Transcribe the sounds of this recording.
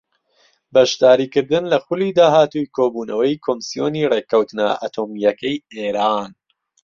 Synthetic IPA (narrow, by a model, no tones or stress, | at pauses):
bɐʃd̪aːɾiːkɨɾd̪ɨnlɐxʊliːd̪aːɦaːt̪ujkʰoːbuːnɐwɐjkʰoːmɨsijoːniːreːkɐwt̪nɐ̰ʔa̰t̪ʰoːmijɐkɐjeːɾaːn